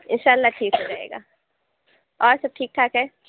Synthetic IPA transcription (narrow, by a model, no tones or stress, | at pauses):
ɪnʃaːlːaʈʰiːksed͡ʒaḛːɡa̰ː | ɔːɾsɐb̚ʈʰiːk̚ʈʰaːkɦɛː